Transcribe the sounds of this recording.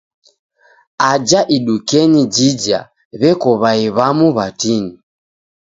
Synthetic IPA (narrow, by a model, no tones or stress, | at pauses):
ad͡ʒaʔiɗukɛnid͡ʒid͡ʒa̰ | βɛkɔβaiβamuβatini